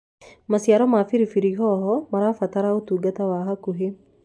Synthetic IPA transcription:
masiaɾɔmafiɾifiɾiɦɔɦɔmaɾafat̪aɾaot̪uɡat̪awaːɦakuɦe

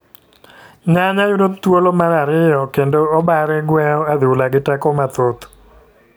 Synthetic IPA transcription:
ɲaɲauɾot̪t̪ːwolomaɾaɾɪjɔkendoɔbaɾɛɡwɛɔad̪ɪwlaɡɪtɛkɔmat̪ot̪

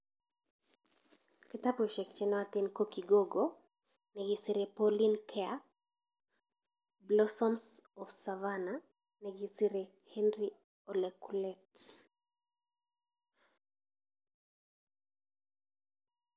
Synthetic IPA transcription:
kɪtapoʃɛk̚t͡ʃɛnɔat̪inkokiɡoɡo | nɛɡisiɾepɔlinkʰɛa | blɔsɔmsɔfsavana | nɛɡisiɾe | hɛnri | ɔlekulɛt

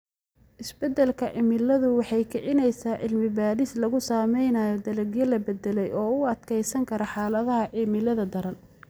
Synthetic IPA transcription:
ʔɪsbɛd̪ɛlkʰɐʕɪmɪlɐðʊwɑħɑjkʰɪʕɪnɛjsaːʕɪlmɪbaːɾɪslɐɣʊsaːmɛjnaːjɔd̪ɐlɐɡjɐlɐbɛd̪ɛlɛjɔːʊɐd̪kʰɛjsɐŋkʰɐɾɔħɑːlɐðɐɦɐʕɪmɪlɐðɐd̪ɐɾɐl

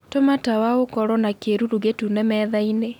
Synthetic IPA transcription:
tomatawaokɔɾɔnakeɾuɾuɣetunɛmɛːðaine

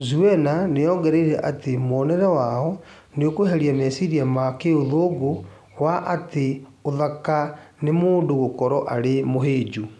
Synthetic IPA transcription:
zuɛnanejɔːŋɡɛɾeɾɛʔatemɔːnɛɾɛwaɔ | neokoɦɛɾiamɛsiɾiamakeoðoːɡo | waʔateoðakanemoːndoɣokɔɾɔʔaɾemoɦeːd͡ʒu

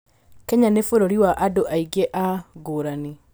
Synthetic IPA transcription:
kɛɲanefoɾoɾiwaʔadoʔaiɡeʔaɡoːɾani

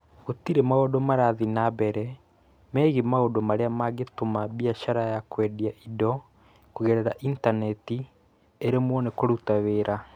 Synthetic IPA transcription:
ɣotiɾemaodomaɾaðinabɛɾɛ | mɛɣemaodomaɾeamaɡetomabiaʃaɾajakwɛdiaʔidɔ | kuɣɛɾɛɾaʔintanɛti | eɾemwɔnekoɾutaweːɾa

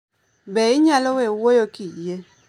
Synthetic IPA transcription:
bɛiɲalɔwewojokʼije

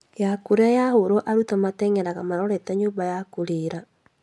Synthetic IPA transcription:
jakuɾeajahoɾɔʔaɾutamatɛŋɛɾaɣamaɾɔɾɛtaɲoːbajakuɾeɾa

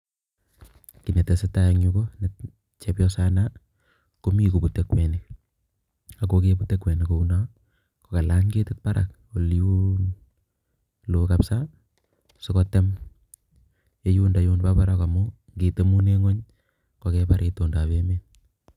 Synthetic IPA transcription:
kinetesetajeŋukone | t͡ʃepjɔsana | komikubutekwenik | akokebutekwenikouna | kokalaɲɡetet̚paɾa̰k | oljun | lokapsa | sɪkɔtem | ejundajuːnpapaɾakamo | ŋɡetemuneŋɔɲ | kokepaɾʔetondabeme

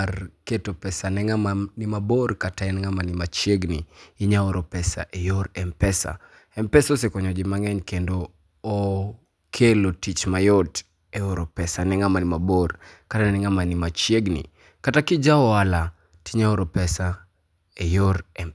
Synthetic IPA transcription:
rketopɛsanɛŋamanimaborkataɛnŋamanimat͡ʃjeɡniiɲaoɾopɛsa̰ʔɛjoɾɛmpɛsa̰ | ɛmpɛsɔsekɔɲɔd͡ʒɪmaŋɛɲkendoː | kʰelotit͡ʃmajɔt | ɛoɾopɛsanɛŋamanimaborkatanɛŋamanimat͡ʃjeɡnḭ | katakid͡ʒaɔala | tiɲaoɾopɛsa | ɛjoɾɛm

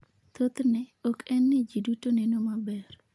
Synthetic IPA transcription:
t̪ot̪nɛɔkɛnːed͡ʒidutonenomabɛr

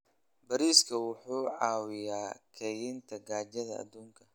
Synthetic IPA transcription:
bɐɾiːskʰɐwʊħuːʕɑːwɪjaːkʰɛjɪnt̪ʰɐɡaːt͡ʃɐðɐɐ̰d̪uːŋkʰɐ

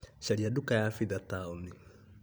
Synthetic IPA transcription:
ʃaɾiadukajafiðat̪auni

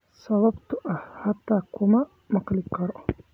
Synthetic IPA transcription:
sɐβɐbt̪ʰʊʔɐhhɐt̪ʰːaːkʰʊmɐ | mɐqlɪkʰɐɾɔ

